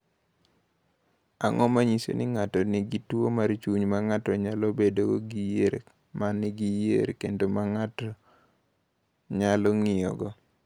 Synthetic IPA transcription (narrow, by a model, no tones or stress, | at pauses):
aŋɔmaɲisḛnɪŋatɔnɪɡitwomaɾt͡ʃuɲmaŋatɔɲalɔbedoɡoɡijeɾ | manːɪɡijḛɾkendomaŋatɔ | ɲalɔŋɪɔ̰ɡɔ